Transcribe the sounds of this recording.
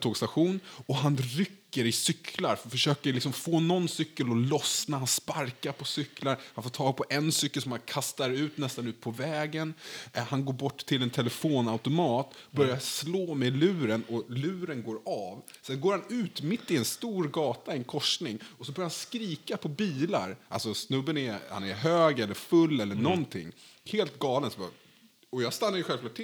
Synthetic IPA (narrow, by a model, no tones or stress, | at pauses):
t̪ʰoːɡst̪aɧuːnɔɦanɾʏkːəɾɪsʏkʰlaɾffœʂøːkəlɪksɔmfoːnɔnːsʏkːəlɔlɔsnahanspaɾkaɾpʰɔsʏkːlaɾhanfoːʈʰɑːɡ̚pʰɔʔɛnsʏkːəlsɔmhankʰast̪aɾʉ̟ːt̪nɛst̪anʉ̟ːt̪̚pʰɔvɛːɡənhanɡoːɾbɔʈːt̪ʰɪlɛnt̪ʰɛlɛfoːnaʊt̪ʊmɑːt̪bœɾjasloːmɛlʉ̟ːɾənɔlʉ̟ːɾənɡoːɾɑv | sɛnɡoːɾhanʉ̟ːt̪mɪt̪ːɪɛnst̪uːɾɡɑːt̪aɛnkʰɔʂnɪŋɔsɔbœɾjahanskɾiːkapʰɔbiːla̰ɾʔa̰lsɔsnɵbːənɛha̰nɛɾɦøːɡɛlːəɾfɵlːɛlːəɳɔnt̪ʰɪ̰ŋːheːlt̪ɡɑːlənsɔbɑ̰ | ɔjɑːɡst̪anːaɾjʏɧɛlvklɑːʈʰːɪ